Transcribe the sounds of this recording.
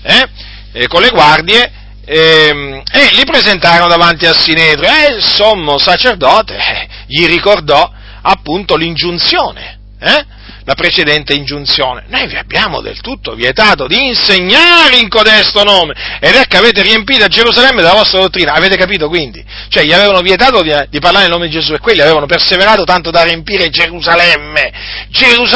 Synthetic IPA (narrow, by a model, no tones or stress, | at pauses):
ɛ | kolːeɡward̪je | ɛmelipɾezent̪aːɾonod̪avant̪iasːineːd̪ɾoɛlsomːosat͡ʃerd̪ɔːt̪ḛɛ | ʎirikord̪ɔ | apːunt̪olind͡ʒunt̪sjoːnḛ | ɛ | lapɾet͡ʃed̪ɛnt̪eind͡ʒunt̪sjoːnḛnojvia̰bːjaːmo̰d̪ḛlt̪ut̪ːovjet̪aːt̪od̪iːnseɲːaːɾeiŋkod̪ɛst̪onoːmeed̪ɛkːaveːt̪̬eɾiempiːt̪oad͡ʒeɾuzalɛmːed̪elavɔst̪ɾad̪ot̪ːɾiːnaːveːt̪ekap̬iːt̪okwind̪ḭ | t͡ʃoɛʎːiaveːvanovjet̪aːt̪od̪id̪iparlaɾeilnoːmed̪id͡ʒezuekːwelːiaveːvanoperseveɾaːt̪ot̪ant̪od̪ariempiːɾed͡ʒeɾuzalɛmːed͡ʒeɾuz